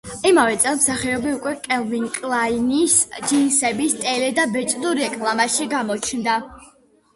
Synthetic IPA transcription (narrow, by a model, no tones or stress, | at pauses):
imavɛt̪sʼɛlˠmsaχiɔbiukʼwɛkʼɛlˠviŋkʼlˠainisd͡ʒinsɛbist̪ʼɛlɛd̪abɛt͡ʃʼd̪uɾɛkʼlˠamaʃiɡamɔt͡ʃʰnd̪a